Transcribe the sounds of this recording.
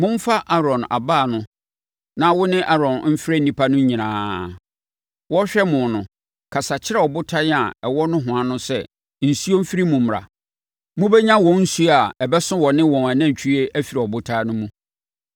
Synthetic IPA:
mʊ̃˦m̩˦fa˦ʔa˦ɾɔ̃˨na̰˨baː˦˨nʊ̃˦ | nã˦wʊ˦nɪ̃˦ʔa˦ɾɔ̃˨nm̩˦fɪ˦ɾɛ˦˨nĩ˦pʰa˦nʊ̃˦ɲĩ˨nãː˨˦ | wɔ˦ɕᶣɛ˦mʊ̃˨nʊ̃˨ | kʰa˨sa˨t͡ɕʰɪ˦ɾɛ˦ɔ˨bʊ˦tʰa˦nɪ˦a̰˨ɛ˨wɔ˦nʊ̃˦ɦʊ̃˨a˦nʊ̃˦sɛ˦˨ | n̩˨su˦o˦m̩˦fi˦ɾi˦mũ˨m˨ɾa̰˨ | mʊ̃˦bɛ˦ɲã˦wɔ̃˨n̩˦su˦a˨ɛ˨bɛ˦sʊ̃˦wɔ˨nɪ̃˦wɔ̃˨na˨nã˦˨ɲ˨t͡ɕʰᶣi˦e˦ʔæ˦fi˨ɾa˨ɔ˨bʊ˦tʰaː˦nʊ̃˦mũ˦

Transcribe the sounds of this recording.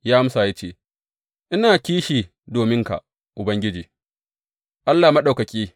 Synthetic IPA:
jaː˦ʔa˦m˦sa˨ja˦t͡ʃeː˦˨ | ʔɪ˦naː˨kʲiː˦ʃiː˨ | doː˨mɪ˦ŋka̰˨ʔ | ʔʊ˨bɐ˦ŋɡʲɪ˦d͡ʒiː˨ | ʔa˦lːaː˨mɐ˦ɗa˨wkɐ˨kʲiː˦

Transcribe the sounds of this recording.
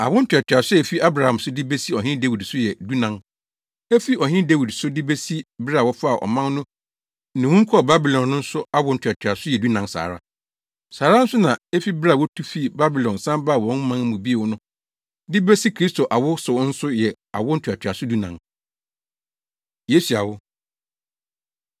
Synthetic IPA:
a̰˨wʊ˦n̩˦tʰᶣa˨tʰᶣa˨sʊ˦ɛ˨fi˦ʔa˦bɾa˨hã˨msʊ˦dɪ˦be˦si˦ɔ˨ɦɪ̃˦de˦wi˨dsʊ˦jɛ˨du˦nã˨ŋ | ɛ˦fi˦ʔɔ˨ɦɪ̃˦de˦wi˨dsʊ˦dɪ˦be˦si˦bɾa˦˨wɔ˦fa˦˨ʔɔ̰˨mã˦nnʊ̃˦ | nɪ̃˨wũ˦ŋ̩˦kʰɔ˦˨ba˦bi˨lɔ̃˨nːʊ̃˦n̩˦sʊ˦a˦wʊ˦n̩˨tʰʊ˨a˨tʰᶣɥa˨sʊ˦jɛ˨du˦nã˨ŋsa̰ː˨ɾa̰˦ | saː˨ɾa˦n̩˦sʊ˦nã˨e˦fi˦ba˦˨wɔ˦tʰu˦fi˦ba˦bi˨lɔ̃˨nsã˦mbaː˦˨wɔ̃˨˦n˦mã˦ŋ˦mũ˨bi˦e˨wʊ˨˦nʊ̃˦ | dɪ˦be˦si˦kʰɾi˦stʰo˨ʔa˨wʊ˦sʊ˨˦n̩˦sʊ˦jɛ˨ | a̰˨wʊ˦n̩˦tʰa˨tʰᶣa˨sʊ˦du˦nã̰˨ŋ | je˨˦si˨a˨wʊ˦

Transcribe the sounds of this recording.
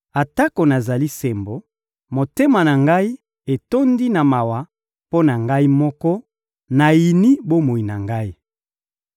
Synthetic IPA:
a˨ta˦ko˨na˨za˨li˦se˨mbo˨ | mo˨te˦ma˨na˨ŋɡa˦i˦ | e˨to˦ndi˦na˨ma˨wa˨ | po˦na˨ŋɡa˦i˦mɔ˦kɔ˦ | na˨ji˨ni˦bo˦mo˨i˨na˨ŋɡa˦i˦

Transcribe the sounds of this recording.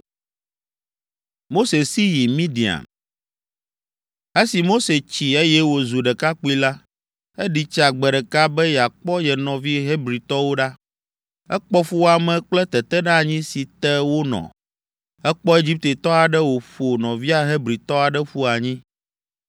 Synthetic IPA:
mo˦se˨si˦ji˨mĩ˦ɖi˨a̰˨m | e˦si˨mo˦se˨t͡ɕi˨e˦jɛ˦wo˨zu˨ɖɛ˨ka˦k͡pu˦i˦la˦ | e˦ɖi˨t͡ʃa˨ɡ͡bɛ˨ɖɛ˨ka˦bɛ˦ja˨k͡pɔ˦jɛ˨nɔ̃˨vi˦ɦe˦bɾi˨t̪ɔ˦wo˦ɖa˦ | ɛ˦k͡pɔ˦fu˦wa˨mɛ̃˨k͡plɛ˦t̪ɛ˨t̪ɛ˦ɖa˦˨ɲĩ˦si˨t̪ɛ˦wo˦nɔ̰̃˨ | ɛ˦k͡pɔ˦e˦d͡ʑi˦p̚t̪e˨t̪ɔ˦a˨ɖɛ˦wo˨ɸo˨nɔ̃˨vi˦a˦ɦe˦bɾi˨t̪ɔ˦a˨ɖɛ˦ɸu˦a˨ɲĩ˦

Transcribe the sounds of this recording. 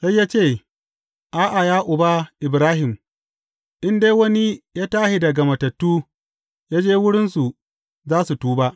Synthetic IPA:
ka˦jːaː˦t͡ʃeː˦˨ | ʔaː˦ʔa˨jaː˦ʔʊ˨ba˦ʔɪ˨bɾaː˦ɦɪ˨m | ʔɪ˦ndeː˦wɐ˦ni˦jaː˦taː˦ʃi˦dɐ˨ɡɐ˨mɐ˨tɐ˨tːuː˦ | jaː˦d͡ʒeː˦wʊ˦ɽɪ˦nsu˨ | zaː˦su˨tuː˦ba˦ʔ

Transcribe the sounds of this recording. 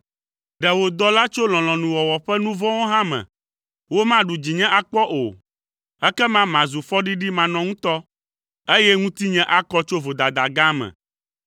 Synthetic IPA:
ɖɛ˨wo˨d̪ɔ˦la˦t͡ʃo˦l̃ɔ̃˨lɔ̃˨nũ˨wɔ˨wɔ˨ɸɛ˦nũ˦vɔ̃˦wo˦ɦã˦mɛ̰̃˨ | wo˦mã˦ɖu˨d͡ʑi˨ɲɛ̃˦ʔa˦k͡pɔ˦ʔo˨ | ɛ˦kɛ˦mã˦mã˨zu˨fɔ˦ɖi˦ɖi˦mã˨nɔ̃˨˦ŋũ˦t̪ɔ˦ | e˦jɛ˦ŋũ˦t̪i˦ɲɛ̃˦ʔa˦kɔ˦t͡ʃo˦vo˨d̪a˨d̪a˨ɡã˦mɛ̰̃˨

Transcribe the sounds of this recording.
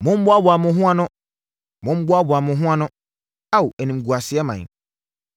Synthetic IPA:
mʊ̃˦m̩˦bʊ˦a˦bʊ˨a˨mʊ̃˦ɦʊ̃˦ã˦nʊ̃˦ | mʊ̃˦m̩˦bʊ˦a˦bʊ˨a˨mʊ̃˨ɦʊ̃˦ã˦nʊ̃˦ | a˦˨wu˨ɛ˨nĩ˨m̩˨ɡu˨a˨sɪ˨˦ɛ˦mã̰˨

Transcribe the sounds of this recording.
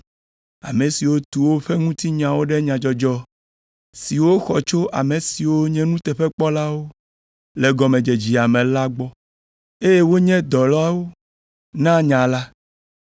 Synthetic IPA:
a̰˨mẽ˨si˨wo˦t̪u˨wo˦ɸɛ˦ŋũ˦t̪i˦ɲã˨wo˦ɖɛ˦ɲã˨d͡ʒɔ˦d͡ʒɔ˦ | si˨wo˦xɔ˨t͡ʃo˦ʔa˨mẽ˨si˨wo˦ɲɛ̃˦nũ˦t̪ɛ˨ɸɛ˦k͡pɔ˦la˦wo˦ | le˨ɡɔ˨mẽ˨d͡ʒe˨d͡ʑi˨a˨mɛ̃˨la˦ɡ͡bɔ˦ | e˦je˦wo˦ɲɛ̃˦d̪ɔ˨lɔ˦a˦wo˦ | nã˦ɲã˨la˦

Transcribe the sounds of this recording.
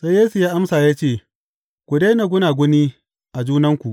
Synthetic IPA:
sa˦jeː˦su˨jaː˦ʔa˦msaː˨jaː˦t͡ʃeː˦˨ | kʷu˨de˦na˨ɡʷʊ˦naː˨ɡʷʊ˦niː˦ | ʔa˨d͡ʒuː˦nɐ˦ŋkʷu˨ʔ

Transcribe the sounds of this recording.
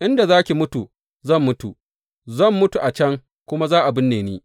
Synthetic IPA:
ʔɪ˦nda˨zaː˦kʲi˨mʊ˦tu˨ | zɐ˦˨mːʊ˦tu˨ | zɐ˦˨mːʊ˦tu˨ʔa˨t͡ʃɐ˦ŋ | kʷʊ˦ma˦zaː˦ʔa˨bɪ˦nːeː˨neː˦

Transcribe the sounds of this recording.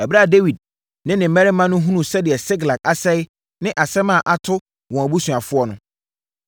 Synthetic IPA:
æ˨bɾa˦˨de˦wi˨d̚ | nɪ̃˦nɪ̃˨mɛ̃˦ɾɪ˦mã˦nʊ̃˦ɦũ˦nũ˨sɛ˦dɪ˨ɛ˨sɪ˦ɡla˨k̚a˨sɛ˦jɪ˦ | nɪ̃˦ʔa˨sɛ˦mã˦˨ʔa˦tʰʊ˦ | wɔ̃˨æ˨bu˦sũ˨a˨fʊ˦ɔ˦nʊ̃˦

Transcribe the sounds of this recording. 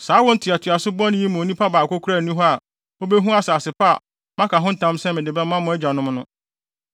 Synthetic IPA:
saː˨˦wɔ˦n̩˦tʰɪ˨a˨tʰɥa˨sʊ˦bɔ̃˦nɪ̃˦ji˦mʊ̃˨o˨nĩ˦pʰa˦baː˨kʰo˦kʰu˦ɾa˦˨nũ˦ɦɔ˦a˨ | o˦be˦ɦũ˦a˦saː˨sɪ˨pʰa˦a˨ | mã˦kʰa˨ɦʊ̃˦n̩˦tʰã˦msɛ̃˦mɪ̃˨dɪ˨bɛ˦mã˦mʊ̃˦ɛ˦d͡ʑᶣa˨nʊ̃˦m˦nʊ̃˦

